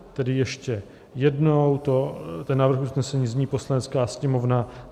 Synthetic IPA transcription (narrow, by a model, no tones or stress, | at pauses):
t̪ɛdɪjɛʃcɛ | jɛdnowt̪ot̪ɛnːaːvɾr̩xʔusnɛsɛɲiːzɲiːpo̞slanɛt͡skaːsɲɛmo̞vna